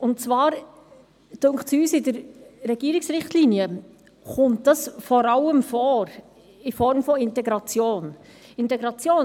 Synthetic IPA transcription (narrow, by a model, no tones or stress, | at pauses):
ʊntt͡svɑːɾ | tʊŋksyːsɪdəɾɾɛɡ̥iːɾiksɾɪχtliːniə | χʊmtd̥ɑsfɔɾɑləmfɔːɾ | ɪfɔɾmfɔɪntɛɡɾɑt͡sjoːn | ɪntɛɡɾɑt͡sjoː